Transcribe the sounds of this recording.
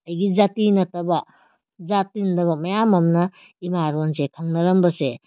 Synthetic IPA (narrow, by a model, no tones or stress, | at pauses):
ɐjɡizatinɐtɐbɐ | zatinɐtɐβɐmɐjamɐmnɐ | imaɾons̬ekʰɐŋnɐɾɐmbɐse